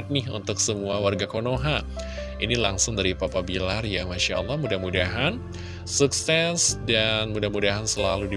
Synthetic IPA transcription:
t̪̚nɪɦṵnt̪ʊksəmuawarɡakonoɦa | ʔinilaŋsʊŋdaɾipapabilarjamaʃaɑ̰lːɑhmudahmudaɦan | suksɛsdanmudahmudaɦansəlaludi

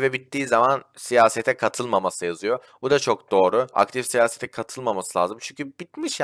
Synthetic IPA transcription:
vɛbit̪ːiːzamansijaːsɛt̪ʰɛkʰat̪ʰɯlˠmamasɯjazɯjo̞ | bud̪at͡ʃʰo̞k̚d̪o̞ːɾʊa̰kt̪ʰifsijaːset̪ʰɛkʰat̪ʰɯlˠmamasɯlʲˠa̰ːzɯmt͡ʃʰyɲcʰybit̪miʃj

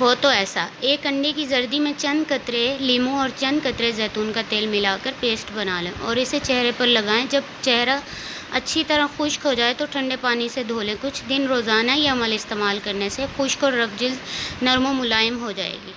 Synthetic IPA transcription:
ɦoːt̪oɛːsa̰eːkɐ̃ɳɖekizɐɾd̪imẽt͡ʃɐ̃nd̪kɐt̪ɾeliːmõɔːɾt͡ʃɐ̃nd̪̚kɐt̪ɾezɛːt̪uːnkat̪eːlmɪlaːkəɾpeːsʈbɐnaːlẽʔɔːɾɪset͡ʃɛɦɾepɐɾlɐɡaːẽd͡ʒɐbt͡ʃɛɦɾa | ɐtːʃʰit̪ɐɾaxʊʃkɦod͡ʒaːet̪oʈʰɐ̃ɳɖepaːnised̪ʱoːlẽkʊt͡ʃʰd̪ɪnɾoːzaːnaiaɐməlɪst̪eːmaːlkɐɾnesexʊʃkɔːɾːɐfd͡ʒɪld̪nɐɾmõmʊlaːjəmɦod͡ʒa̰ːḛːɡiː

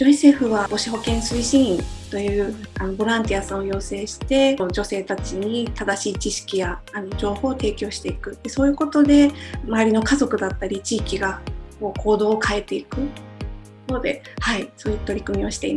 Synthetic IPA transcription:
d͡ʑo̞ise̞ːɸɯ̟βao̞ɕiɦo̞kẽɰ̃sɨiɕĩt̪o̞jɯ̟ː | ano̞bo̞ɾãnt̪ʲijasãɰ̃o̞jo̞ːse̞ːɕi̥t̪e̞d͡ʑo̞se̞ːt̪at͡ɕiɲ̟it̪ad̪aɕiːt͡ɕiɕi̥kʲijaːno̞d͡ʑo̞ːho̞ːt̪e̞ːkʲo̞ːɕi̥t̪e̞ikɯ̟t̪ːe̞so̞ːjɯ̟ːko̞t̪o̞d̪e̞maβaɾʲino̞kazo̞kɯ̟d̪at̪ːaɾʲit͡ɕiːkʲiɡako̞ːkʰo̞ːd̪o̞ːkʰae̞t̪ːe̞ikɯ̟ | oːd̪e̞̰haiso̞ːjɯt̪o̞ɾʲikɯ̟mʲio̞ɕi̥t̪e̞i

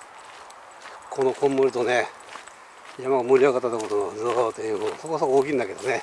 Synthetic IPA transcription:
kʰo̞nokʰõmboɾɯt̪o̞ne | jamaɡmɯɾʲiaɡat̪ːanokot̪onozoot̪ẽosokosokooːkʲĩnd̪ake̞d̪one

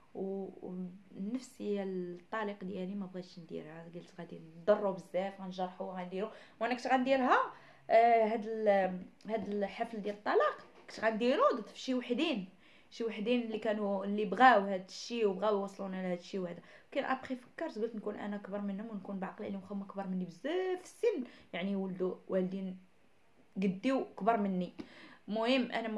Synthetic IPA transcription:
w | nːəfsiælt̪ˤːɑliqd̪jælimæbɣæʃnd̪ḭɾhæɡælt̪ɣæd̪ind̪ɑrˤːubəzːæfɣænʒɑɾˤħuɣænd̪iɾuwʔænːækt̪ɣænd̪iɾɦæ | ɦæd̪əlhæd̪əlħɑfld̪jælət̪ˤːɑlɑq | kt̪ɣænd̪iɾud̪t̪ˤːfʃiwaħd̪in | ʃiwaħd̪inlːikænulːibɣæwhæd̪əʃːiwbɣæwwɑsˤlunʕlæhæd̪əʃːiwhd̪ækænʔɑ̰ɾˤbxifə̥kːəɾˤt̪ɡəlt̪nkunʔæ̰nækbɑɾˤmənhʊmwnkunbʕɑqlʔælimxæmːkbɑɾˤmənːibəzːæd̪fə̥sːənːjaʕniwəld̪uwæld̪in | ɡəd̪ːiwʔəkbɑɾˤmənːimʊhəmːʔæ̰næm

